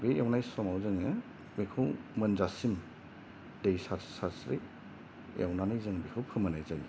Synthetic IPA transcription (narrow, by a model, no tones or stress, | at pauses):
bejawnajsɔmawzɯŋɯ | mekʰɯwmɐnzasim | dejsasasɾḭ | jawnanajzɯŋbekʰɯwpʰɯmɐnajzan